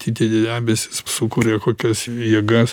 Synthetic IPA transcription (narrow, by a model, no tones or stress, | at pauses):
t̪ʰʲiːt̪ʲiːd̪ʲɛnʲæːbʲesʲɪ̥ssʊkuːɾʲeːkoːkʲɛsjiɛɡɐs